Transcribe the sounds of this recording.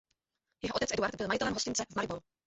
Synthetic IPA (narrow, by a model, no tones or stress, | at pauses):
jɛɦoʔot̪ɛt͡sʔɛduaɾd̪bɪlmajɪt̪ɛlɛmɦoscɪnt͡sɛvmajbolu